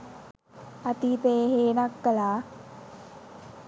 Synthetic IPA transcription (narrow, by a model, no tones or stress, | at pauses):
at̪iːpejɦeːnakːəlaː